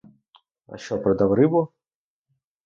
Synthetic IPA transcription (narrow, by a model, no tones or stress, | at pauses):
ɐ̰ʃt͡ʃɔpɾɔd̪awɾɪbʊ